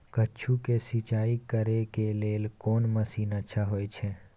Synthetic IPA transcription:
kət͡ʃʰũkesit͡ʃaikəɾekelelkonməsinətːʃʰaɦojt͡ʃʰe

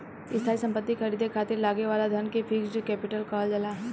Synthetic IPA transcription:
ɪst̪ʰaːisɐ̃mpət̪ːixʰɐɾiːd̪ʱekʰaːt̪ɪɾlaːɡeʋaːlad̪ʱɐnkepʰiːksd͡ʒoːkɛːpɪʈəlkaːld͡ʒɐlaː

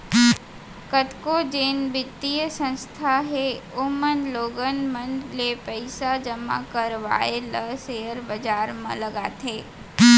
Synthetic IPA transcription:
kət̪kod͡ʒeːnbɪt̪ːijsə̃nst̪ʰaɦeʊmənloːɡənmə̃nlepəɪsad͡ʒəma̰kəɾʋa̰ːeləsejəɾbəd͡ʒaːɾmã̰ləɡat̪ʰeː

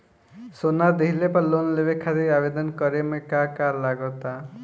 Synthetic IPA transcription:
sonad̪eɦilepalonlebekʰːat̪iabed̪ɔnkɔɾemekakaɾlaɡɔt̪a

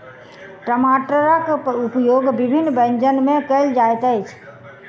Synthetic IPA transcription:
ʈɾəmaːʈəɾakʊpjoːɡbɪbʱɪnːbə̃ɲd͡ʒənmẽkəld͡ʒaːjt̪əit͡ʃʰ

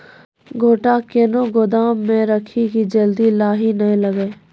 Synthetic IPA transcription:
ɡʱoːʈakenoɡʊd̪aːmːẽɾəkʰikid͡ʒɐld̪ilaːɦinɐɦĩləɡeː

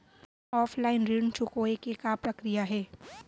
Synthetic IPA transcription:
ɔːfʰlaːɪnɾint͡ʃʊkoekekapɾɐkɾijaɦɛː

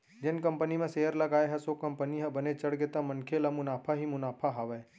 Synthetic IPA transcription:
d͡ʒɪnkɐ̃mpənimẽseːjəɾlɐɡaːeɦɛsokɐ̃mpəniɦɛ̃bɐnet͡ʃɐɽɡet̪amɐ̃nkʰelamʊnaːpʰaɦimʊnaːpʰaɦɐʋɛː

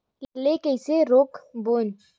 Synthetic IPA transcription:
llekɛseɾoːkbon

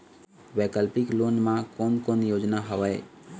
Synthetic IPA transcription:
bekəlpɪkloːnmãkonkonjoːd͡ʒnaɦəʋəe

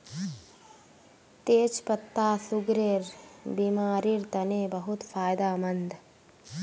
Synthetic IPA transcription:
t̪eːt͡ʃpət̪ːaːsʊɡɾeːɾbiːmaːɾiɾt̪ɐneːbɐɦʊt̪fʰaːjd̪aːmɐnd̪

